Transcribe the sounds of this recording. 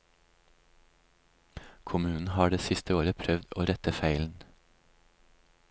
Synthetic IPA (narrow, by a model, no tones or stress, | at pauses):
kʰʊmʉːn̩hɑːɖeːsɪst̪əoːɾəpʰɾœʋd̪o̰ːɾɛt̪əfæɪln̩